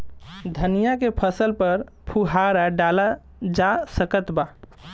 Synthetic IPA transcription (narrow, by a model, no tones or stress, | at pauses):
d̪ʱənijakepʰəsəlpəɾ | pʰuɦaɾaɖala | d͡ʒasəkət̪ba